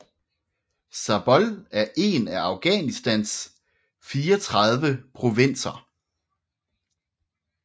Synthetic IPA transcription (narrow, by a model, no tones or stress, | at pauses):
sɑb̥ɒ̽læɐʔe̝̰ːnæɑ̈ʊɡ̥ɛ̰nisd̥æns | fiːɒt͡sʰʁɑ̈ðˠʋəpʰʁo̝ʋe̝n̰sɐ